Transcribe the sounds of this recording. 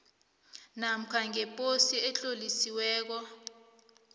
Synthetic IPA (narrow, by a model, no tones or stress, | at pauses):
nam̩kʰaŋɛpʼosiɛɬolisiwɛːk̬ɔ